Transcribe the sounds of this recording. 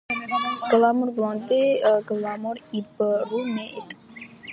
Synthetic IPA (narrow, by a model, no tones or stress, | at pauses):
ɡ̥əlamʊrɡəlɔnt̪eəɡəlamʊribərumɛʔet̪